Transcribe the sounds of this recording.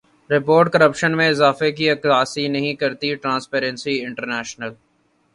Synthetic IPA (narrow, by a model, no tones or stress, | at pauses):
ɾɪpoːɾʈkɐɾəpʃənmẽɪzaːfek̬iɐkaːsinɐɦĩkɐɾt̪iʈɾãːspeːɾə̃nsiɪ̃ɳʈəɾnɛːʃnəl